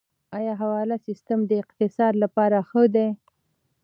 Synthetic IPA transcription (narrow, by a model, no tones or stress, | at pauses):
ɑjɑɦawɑlasɪst̪əmd̪əɪqt̪ɪsɑd̪lapɑɾaxəd̪e